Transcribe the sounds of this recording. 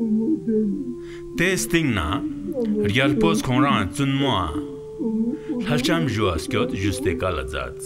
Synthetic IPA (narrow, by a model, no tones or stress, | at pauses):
t̪est̪iŋna | rɡalposkʰoŋraŋat͡sunmoa | ɬalht͡ɕamʑuwaskʲot̪ʑust̪ekala̰d͡za̰t͡s̚